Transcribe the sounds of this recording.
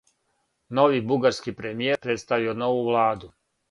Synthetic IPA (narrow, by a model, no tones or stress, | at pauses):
no̞ʋibuɡaɾskipɾemijeɾpɾet̪st̪aʋiono̞ʋuʋlˠaːd̪u